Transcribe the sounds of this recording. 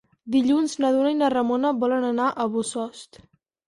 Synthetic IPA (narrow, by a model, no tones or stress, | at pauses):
d̪iʎunznəðunəinərəmonəβɔlənənaʔəβusɔst̪